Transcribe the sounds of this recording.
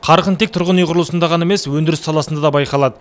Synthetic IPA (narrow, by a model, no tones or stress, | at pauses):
qʰɑɾqənt̪ek̚t̪ʰʊɾʁənijqʰʊɾlˠəsənd̪ɑʁɑnemeswɵnd̪ɪɾɪsɑlˠɑsənd̪ɑd̪ɑbɑjqɑlˠɑd̪ə